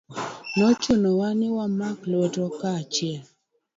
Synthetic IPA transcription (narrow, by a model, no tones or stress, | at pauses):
nɔt͡ʃʊnɔwanɪwamaklɔtɔkat͡ʃɪɛl